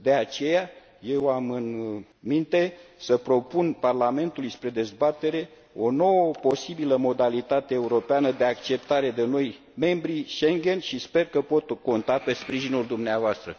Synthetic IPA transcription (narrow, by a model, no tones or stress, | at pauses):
d̪e̞at͡ʃe̞ja | je̞wamɨn | mint̪e̞səpɾo̞punparlame̞nt̪ulujspɾe̞d̪e̞zbat̪e̞ɾe̞ | o̞no̞wəpo̞sibiləmo̞d̪alit̪at̪e̞ːuɾo̞peanəd̪e̞akt͡ʃe̞p̚t̪aɾe̞d̪e̞no̞j | me̞mbɾiʃe̞ŋɡʲe̞nʃispe̞rkəpo̞t̪ko̞nt̪ape̞spɾiʒinuld̪umneavoast̪ɾə